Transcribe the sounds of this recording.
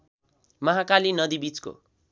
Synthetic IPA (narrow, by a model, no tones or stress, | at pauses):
mʌɦakalinʌd̪ibit͡sko̰